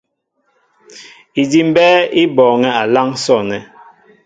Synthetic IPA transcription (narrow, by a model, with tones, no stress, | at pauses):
i˨di˦m̩˦bɛː˦i˦bɔː˨ŋɛ˦a˨la˦ŋsɔ˦˨nɛ˨